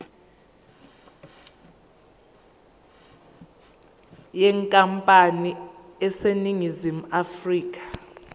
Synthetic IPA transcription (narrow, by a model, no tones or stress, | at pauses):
jɛŋkʼampʼaniɛseniŋizimuafriːk̬ʰʼḁ